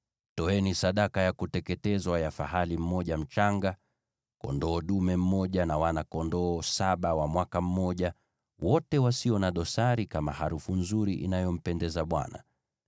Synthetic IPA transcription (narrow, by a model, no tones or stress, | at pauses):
tɔɛnisaɗakajakutɛkɛtɛzwajafaɦalim̩mɔʄam̩t͡ʃaŋɡa | kɔ̰ndɔːɗumɛm̩mɔʄanawanakɔndɔːsaɓawamwakam̩mɔʄa | wɔtɛwasiɔnaɗɔsaɾikamahaɾufunzuɾiʔḭnajɔm̩pɛndɛzaɓwa̰na̰